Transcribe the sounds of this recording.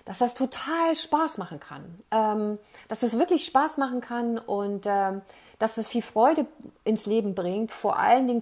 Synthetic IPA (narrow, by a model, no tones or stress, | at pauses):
d̥asd̥astʰotʰaːlʃpaːsmaχn̩kʰa̰nʔɛːmd̥asd̥asv̥ɪɐklɪçʃpaːsmaχn̩kʰanʔʊntʔɛːm | d̥asd̥asfiːlfʁ̥ɔʏɾəʔɪnsleːbm̩bʁɪŋtfoːɐʔa̰ləndɪŋ